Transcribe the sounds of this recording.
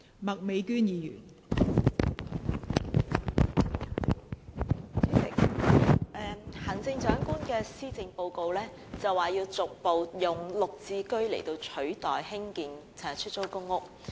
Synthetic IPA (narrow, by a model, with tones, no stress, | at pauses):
mɐ˨k̚me˨˧jkyː˥njiː˨˧jy̰ː˨˩n˨˥ | sɪ̰˨k̚ | ʔɛ˨hɐ˨˩nt͡sɪ˧ŋt͡ʃœː˨˥ŋkuː˥nkɛː˧siː˥t͡sɪ˧ŋpo˧wko˧wlɛː˥ | t͡sɐ˨waː˨jiː˧wt͡sʊ˨k̚po˨wjʊ˨ŋlʊ˨k̚t͡siː˧kɵ˥ɥle˨˩jt̪o˧wt͡ʃʰɵ˨˥ɥt̪ɔː˨jhɪ˥ŋkiː˨ŋt͡sʰɛː˨˩t͡ʃʰɵ˥t̚t͡so˥wkʊ˥ŋːʊ˥k̚